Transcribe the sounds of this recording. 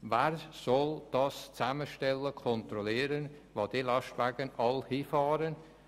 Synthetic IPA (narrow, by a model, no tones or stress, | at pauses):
vɛːɾsɔld̥ɑst͡saməʃtɛləkʰɔnt̪rɔliːəɾən | vɑd̥ilɑʃtvaɡənɑlhiːfɑːɾən